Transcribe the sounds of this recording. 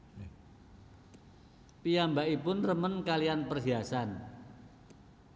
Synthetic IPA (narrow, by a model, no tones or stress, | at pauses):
pijambaipʊnrəmənkalianpərɦiasan